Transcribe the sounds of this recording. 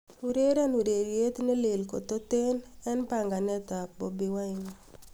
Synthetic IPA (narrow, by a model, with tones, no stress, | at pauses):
u˨ɾe˦ɾa˦nu˨ɾe˨ɾje˦t̪ne˦le˨lko̰˨t̪o˦t̪e˦nɛ˦npa˨ŋɡa˨nɛ˦t̪a˨bɔ˨bi˨wa˦ɪ˨ŋɔ˨